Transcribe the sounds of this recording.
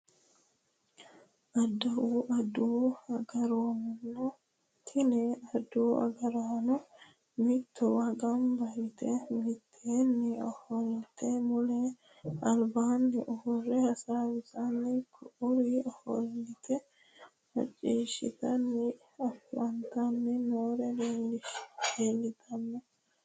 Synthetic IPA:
ʔɐd̪ːɐwuʔɐd̪uɐɡɐɾoːmɪnːɔ | kʰɪnɛɐd̪uːɐ̰ɡɐɾaːnʊ | mɪt̪ːɔwɐɡɐmbɐjɪt̪ɛmɪt̪ʰːeːnːɪɔhɔlɪt̪ɛmʊlɛ | ɐlbaːnːɛʔɔhɔrːɛɐsaːwɪzɐnːɛkʰɔʔʊɾiɔhɔlɪt̪ɛ | mɐ̰t͡ʃʼːiːʃɪ̰t̪ɐnːɛ | ɐfɐnt̪ɐnːɛnoːɾɛd̪eːlːɪʃdeːlːɪt̪ʰɐnːɛ

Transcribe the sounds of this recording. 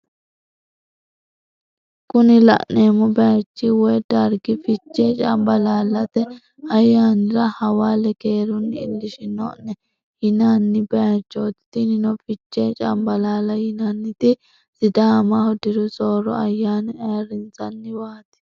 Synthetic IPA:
kʊnɪlɐ̰ʔnːeːmːɔbɛjat͡ʃːɪwɔjd̪̥ɐɾɡɪfɪt͡ʃːeːt͡ʃʼɐmbɐlaːlɐt̪ɛ | ɐjːaːnɪɾɐhɐwaːlɛke̞ːɾʊnːɪɪlːɪʃɪnɔ̰nɛ | jɪnanːɪbɛat͡ʃːoːt̪ɪ̥t̪ɪnɪnɔfɪt͡ʃːeːt͡ʃʼɐ̰mbɐlaːlɐjɪnɐnːɪt̪ɪ | sɪd̪aːmɐhɔd̪ɪɾʊsʼoːɾɔ̰ɐjːaːnɪeɾɪnt͡sɐnːɪwaːt̪ɪ̥

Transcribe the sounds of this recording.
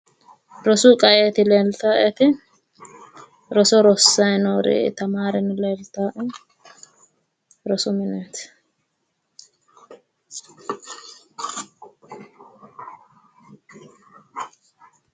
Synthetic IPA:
ɾɔsʊkʼɐʔeːt̪ɪleːlt̪aːʔɛt̪ɪ | ɾɔsɔɾɔsːɐjnoːɾḛːʔɪ̰t̪ɐmaːɾɛnɪleːlt̪aːʔɛ | ɾɔsʊmɪnɛːt̪

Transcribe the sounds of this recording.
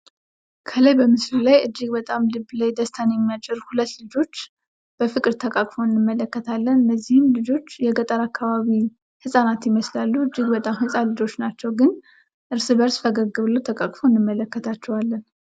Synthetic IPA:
kʰələjbəmɨslulajʔɨd͡ʒːiɡbət̪ʼamlɨbːlajd̪əst̪ʰanjɛmːijat͡ʃʼːɪɾhulət̪ːlɨd͡ʒo̞t͡ʃː | b̥əfɨkʼɨɾt̪ʰəkʼakʼfo̞ɨnːɨmːələkːət̪ʰalːənbəzːihɨmlɨd͡ʒo̞t͡ʃːjɛɡət̪ʼəɾakʰːaβaβi | hɨsʼanat̪jɪməslalːuɨd͡ʒːiɡbət̪ʼamhɨsʼalɨd͡ʒo̞t͡ʃːnat͡ʃːɛwɡɨn | ʔɨɾsɨβəɾsfəɡəɡɨβləwt̪ʰəkʼakʼfoɨnːɨmːələkːət̪ʰat͡ʃːɛwalːən

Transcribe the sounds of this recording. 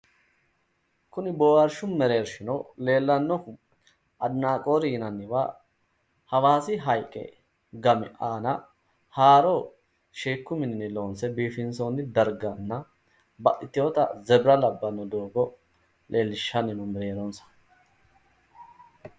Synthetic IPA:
kʊnɪboːwɐɾʃʊmɛɾe̞ːɾʃɪnɔle̞ːlːɐnːɔ | ʔɐd̪naːkʼo̞ːɾɪnɐnːɪwa̰ː | hɐwaːsɪɦɐjkʼːɛ̰ | ɡɐmɪ̰ʔaːnɐ | haːɾɔ | ʃeːkːʊmɪnɪnɪlo̞ːnsɛbiːfɪnso̞ːnːɪd̪ɐɾɡɐnːɐ | bɐʔɪt̪ːɪjoːt̪ɐ̰zɛbɾɐlɐbːɐnːɔd̪oːɡɔ | lʔe̞ːlːɪʃːɐnɪnɔmɛɾe̞ːɾɔnsɐ̥

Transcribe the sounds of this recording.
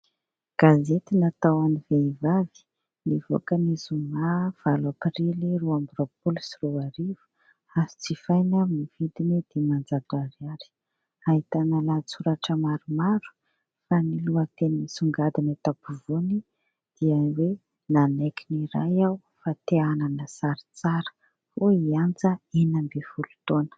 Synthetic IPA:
ɡ̥azet̪inat̪awaniveivavi̥ | nivo̰kənizumav̥alapiriliɾuambɾopulsiruaɾivu̥ | asi̥t͡sifajnamivid̪inid̪̥imand͡zad̪uaɾiaɾi̥ | aɦit̪analat͡suɾaʈ͡ʂəmaɾumaɾu̥ | faniluət̪enimisuŋɡad̪inat̪apuvoni | d̪̥iawe | nanekiniɾa̰jaw | fat̪eananəsaɾi̥t͡saɾə̥ | foiand͡zəenambefulu̥t̪onə̥

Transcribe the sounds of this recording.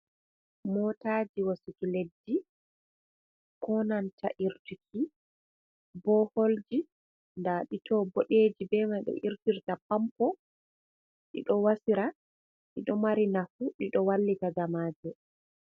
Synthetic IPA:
mɔtaːd͡ʒiwasukiledːi | kɔnantʰa̰ʔiɾtukʰi | bɔhold͡ʒi | ndaɗitɔboɗed͡ʒibɛmajɗɔ̰ʔiɾtiɾtapampɔ | ɗḭɗɔwasiɾa | ɗḭɗɔmaɾinafuɗiɗɔwalːitaɡamaːd͡ʒɛ

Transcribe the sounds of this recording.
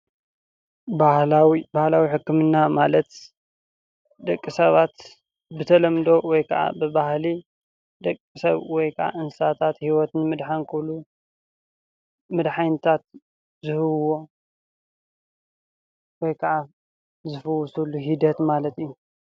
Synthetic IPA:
bahlawibahlawiħɨkːɨmɨnːamalɐt̪ | d̪ɐkʼːisɐβat̪ | bɨt̪ʰɐlɐmd̪o̞wɔjkʰɐʔa̰bɨbahli | d̪ɐkʼːisɐβwɔjkʰɐʕa̰ʔɨnsat̪ʰat̪hiwɔt̪ɨnmɨd̪ħankʰɨβlu | mɨd̪ħajnɨt̪ʰat̪̚ | zɨhɨwwo̞ | wɔjkʰɐʕa | zɨfɐwsuluɦid̪ɐt̪malɐt̪ijːu

